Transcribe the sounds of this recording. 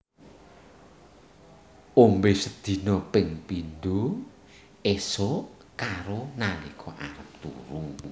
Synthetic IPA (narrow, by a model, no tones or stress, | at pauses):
ombesəd̪̥i̤nɔpɪŋpinɖo | eso | kaɾonalikʰɔʔa̰ɾəp̚t̪ṵɾu